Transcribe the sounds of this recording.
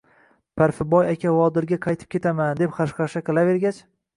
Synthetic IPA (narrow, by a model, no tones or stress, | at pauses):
pʰaɾfɪbɒjakʲavɒd̪ɪɾɡʲaqʰɑjt̪ʰɪ̥p̚kʲe̞t̪ʰamand̪e̞pχɑʃχɑʃaqʰɨlˠave̞ɾɡʲat͡ʃ